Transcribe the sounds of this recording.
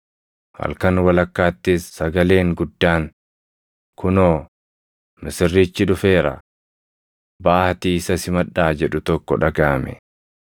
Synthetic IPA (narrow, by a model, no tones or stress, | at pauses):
hɐ̰lkɐnwɐlɐkːaːt̪ːisːɐɡɐle̞ːŋɡʊd̪ːaːŋ | kʰʊnoː | mɪsɪrːiːt͡ʃːɪᶑʊfe̞ːɾɐ̰ | baːhɐt̪iːɪsɐsɪmɐᶑaːd͡ʒɛᶑʊt̪ɔkːɔᶑɐɡaːmɛ̰